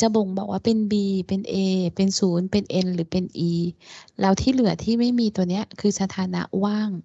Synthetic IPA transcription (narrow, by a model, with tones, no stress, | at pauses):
t͡ɕa˧˦bo˨˩˦ŋbɔː˨˩k̚waː˥˩pe˧nbiː˧pe˧nʔeː˧pe˧nsuː˩˦npe˧nʔe˧nlɯː˩˦pe˧nʔiː˧lɛ˧˥˩wt̪ʰiː˥˩˨lɯ˨˩˦ɐt̪ʰiː˥˩ma˥˩jmiː˧t̪u˧əni˦˥ɐ˨kʰɯː˧sa˧t̪ʰaː˨˧˦na̰˦˥waː˥˩ŋ